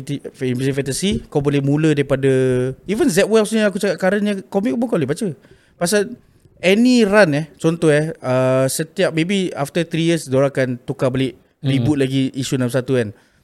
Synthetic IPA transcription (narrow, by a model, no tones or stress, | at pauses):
t̪iipisifɛt̪əsikawbolɛhmũlədaɾipadaivənzɛt̚wɛlsniakut͡ʃakaʔ̪̚kaɾanɲəkɔmik̚umũŋkalɛhbat͡ʃə | pas̬al | ɛniranɛt͡ʃɔnt̪ɔhɛəsət̪iak̚mebiaft̪ət̪ɾijəsdoɾakant̪ukabəlɪʔ | ribʊt̪̚laɡiʔiʃunãmps̬at̪ukan